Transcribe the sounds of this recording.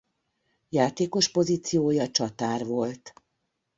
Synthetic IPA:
jaːt̪eːko̞ʃpo̞ziːt̪sijoːjɒt͡ʃɒt̪aːrvo̞lt̪

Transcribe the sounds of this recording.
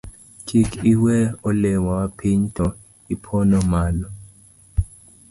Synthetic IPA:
kʰikʰiwɛɔlɛwawapʰiɲtʰʼɔ | ipʰɔnɔmaːlɔ

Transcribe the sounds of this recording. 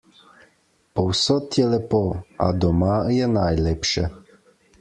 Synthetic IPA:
pɔwsɔt̪jɛlɛpɔa̰d̪ɔmajɛnajlɛpʃɛ

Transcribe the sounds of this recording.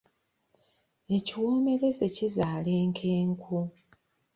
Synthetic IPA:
e̞ciwoːme̞le̞ze̞cizaːle̞ːŋkʰe̞ːŋkʰu

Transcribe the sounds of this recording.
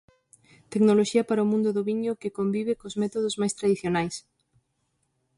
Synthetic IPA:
t̪eknoloʃiɐpaɾɐomũnd̪ʊðʊβiɲʊkɪkombiβ̞ɪkozmɛt̪oðozmajst̪ɾaðiθjonajs

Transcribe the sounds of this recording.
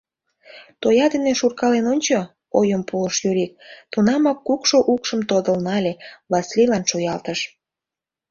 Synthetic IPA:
t̪ojɑd̪eneʃurkɑlenonʲt͡ɕo | ojəmpuləʃjyɾik̚t̪unɑmɑkːukʃoʔukʃəmt̪od̪əlnɑlʲeβɑslilɑnʃojɑlt̪əʃ

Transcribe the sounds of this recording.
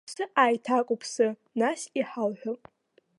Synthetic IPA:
sɨʔaːjtʰakʷʼʊpʰsɨ | nasiħalħᶣʊpʼ

